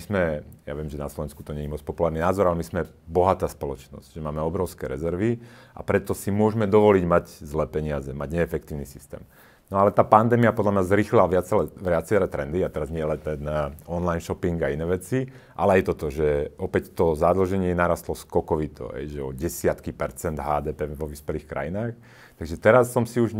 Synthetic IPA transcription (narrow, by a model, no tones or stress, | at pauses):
ismɛja̰ʋɪɛmʒɛnaslɔʋɛnsku̥t̪ɔɲɛɲimɔt͡spɔpulaːɾninaːzɔɾalɛmizmɛ | bɔɦat̪aːspɔlɔt͡ʃnɔ̰zɟ̥ʒɛmaːmɛɔbɾɔʊskɛːɾɛzɛɾʋi | a̰pɾɛt̪ːɔsimʊɔʒmɛd̪ɔʋɔliːɟmaɟzlɛːpɛɲɪazɛmaɟɲɛːfɛk̚t̪iːʊnisi̥st̪ɛ̰ːm | nɔalɛt̪aːpand̪ɛːmiapɔd̪lamɲazɾixlilaʋɪat͡sɛlɛʋɪat͡sɛɾɛt̪ɾɛnd̪iat̪ɛɾazɲɪɛlɛnt̪ɛnɔnlajnʃɔpiŋɡainɛːʋɛt͡si | ʔa̰lɛajt̪ɔt̪ɔʒɛɔpɛct̪ɔzad̪l̩ʒɛɲɪɛɛnaːɾast̪lɔskɔkɔʋit̪ʰɔ̰ɦɛ̰jʒɛɔɟɛsɪat̪kipɛɾt͡sɛnd̪ɦaːd̪ɛːpɛʋɔʋispɛliːxkɾa̰jinaːx | t̪aɡʒɛt̪ɛɾasːɔmsiuʒ